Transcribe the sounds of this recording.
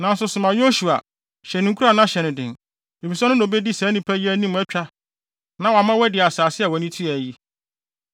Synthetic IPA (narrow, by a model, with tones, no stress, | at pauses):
nã˨n̩˦sʊ˦sʊ˨mã˨jo˦ɕu˨a̰˨ | ɕɛ˨nɪ̃˨ŋ̩˦kʰu˦a˨nã˦ɕɛ˨nɪ̃˨dɪ̰̃˨n | e˨fi˨sɔ˦nʊ̃˦nõ˨be˦di˦sɛ̃ː˨˦nɪ̃˦pʰæ˦jæ˦nĩ˦m˨˦ɛ˦t͡ɕᶣa˦ | nã˨wa˨mã˦wɛ˦dɪ˨a˨saː˨sɪ˦a˨wɔ˨nĩ˦tʰi˦ɛ˨ji˦